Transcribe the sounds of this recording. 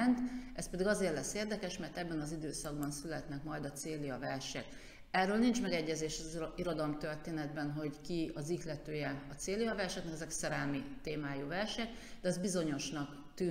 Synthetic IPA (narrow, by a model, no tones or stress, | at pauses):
nt̪ɛspɛd̪iɡɒzeːrlɛsːeːrd̪ɛkɛʃmɛrt̪ɛbːɛnɒzid̪øːsɒɡ̚bɒnsylɛt̪nɛkmɒjd̪ɒt̪seːlijɒvɛrʃɛ̰k | ɛrːøːlnint͡ʃmɛɡɛɟːɛzeːʃɒziɾo̞d̪ɒlmt̪ørt̪eːnɛd̪bɛnɦo̞ɟkiɒziklɛt̪øːjɛɒt̪seːlijɒvɛrʃɛk̪nɛkɛzɛksɛɾɛlmit̪eːmaːjuːvɛrʃɛk | d̪ɛɒzbizo̞ɲo̞ʃnɒk | t̪yː